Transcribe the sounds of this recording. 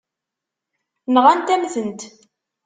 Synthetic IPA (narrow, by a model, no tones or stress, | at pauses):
mʁænt̪æmθənt̪